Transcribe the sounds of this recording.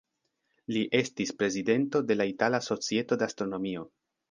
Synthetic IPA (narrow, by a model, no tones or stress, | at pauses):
liʔe̞stispɾe̞zide̞nto̞de̞laitalaso̞t͡sie̞to̞deastɾo̞no̞mio̞